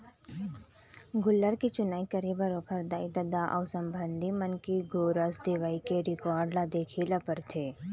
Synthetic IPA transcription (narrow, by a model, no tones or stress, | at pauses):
ɡʊlːəɾkit͡ʃʊnaːikɐɾibɐɾoːkʰəɾd̪aːid̪ɐd̪aʔɔ̰ːsə̃mbʱənd̪ʱimɐnkiɡoːɾəsd̪ɪʋaːikeɾɪkɔːɾɖlad̪eːkʰiːlapəɾt̪ʰeː